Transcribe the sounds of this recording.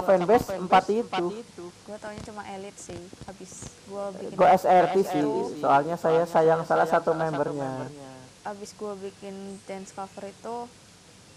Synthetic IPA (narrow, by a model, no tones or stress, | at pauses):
apaɛnbɛsəmpat̪it̪uɡ̥uat̪auɲat͡ʃumaʔelɪt̪̚sɪhabɪsɡuaɡoaɛsɛrpisɪsoalɲasajasajaŋsalahsat̪umɛmbərɲa | ʔabɪsɡuabikɪnd͡ʒɛnskafəɾit̪u